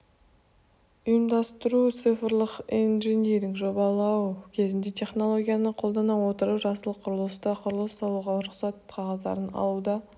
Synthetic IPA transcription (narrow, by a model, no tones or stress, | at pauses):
ʊjəmd̪ɑst̪əɾut̪sɨfəɾlˠəqinʒenieɾɪŋʒo̞bɑlˠɑwkʲʰe̞zɪnd̪e̞t̪ʰe̞χno̞lˠo̞ɡʲijanəqʰo̞lˠd̪ɑnɑwo̞t̪əɾəpʒɑsəlˠəqʰːʊɾlˠəst̪ɑqʰʊɾəlˠəst̪ɑlˠuʁɑʊɾʊqsɑt̪ʰɑʁɑzd̪ɑ̰ɾənɑ̰lˠud̪ɑ